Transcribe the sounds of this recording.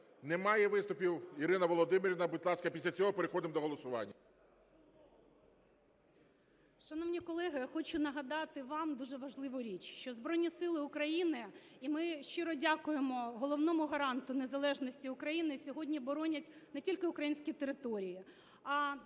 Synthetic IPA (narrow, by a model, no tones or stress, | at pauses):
nɛmɑjɛʋɪst̪ʊpʲiwiɾɪnɐʋɔlˠɔd̪ɪmɪɾʲʋnɐbɪt̪lˠɑskɐpʲisʲlʲɐt͡sʲɔɦɔpeɾɪxɔd̪ɪmd̪ɔɦɔlˠɔsʊʋɑ̰nʲːɐ | ʃɐnɔʋnʲikɔlˠɛɦɪxɔt͡ʃʊnɐɦɐd̪ɑt̪ɪʋɑmd̪uʒɛʋɐʒlˠɪʋʊɾʲit͡ʃʃt͡ʃɔzbɾɔjnʲisɪlˠɪʊkɾɐjinɪ | imɪʃt͡ʃɪɾɔdʲakʊjemɔɦɔlˠɔʋnɔmʊɦɐɾɑnt̪ʊnezɐlˠɛʒnɔsʲtʲiʊkɾɐjinɪsʲɔɦɔdʲnʲibɔɾɔnʲɐtʲnɛtʲilʲkɪʊkɾɐjinʲsʲkʲit̪eɾɪt̪ɔɾʲiji | ɐ